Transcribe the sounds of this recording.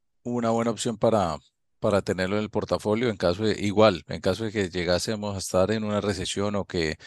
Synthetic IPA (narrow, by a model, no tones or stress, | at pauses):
uβunaβwe̞naopsjo̞mpaɾa | paɾat̪e̞ne̞ɾloenelpo̞ɾt̪afo̞ljo̞e̞ŋkaso̞ðḛʔiɣwale̞̰ŋkaso̞ðe̞ke̞d͡ʒe̞ɣase̞mo̞saest̪aɾe̞nunare̞se̞sjo̞no̞ke̞